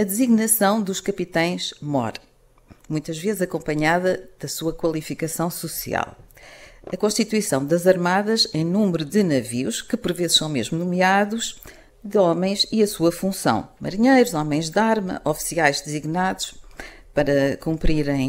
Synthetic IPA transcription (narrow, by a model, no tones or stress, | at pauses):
ɐd̪ɨziɣnɐsɐ̃w̃d̪uʃkɐpit̪ɐ̃j̃ʃmɔ̰ɾɐ | mũj̃t̪ɐʒvezzɐkõmpɐɲaðɐðɐsuɐkwɐlˠifikɐsɐ̃w̃susḭa̰lˠ | ɐkõʃt̪it̪wisɐ̃w̃d̪ɐzɐɾmaðɐʃɛẽj̃nũmɾuðɨnɐviuʃkɨpɔɾvezʃsɐ̃w̃meʒmunumiaðuʃ | d̪ɨɔmɐ̃j̃ziɐsuɐfũsɐ̰̃w̃mɐ̰ɾiɲejɾuzɔmɐ̃j̃ʒd̪aɾmɐ̰ʔɔfi̥siajʒd̪ɨziɣnaðuʃ | pɐɾɐkũmpɾiɾɐ̃j̃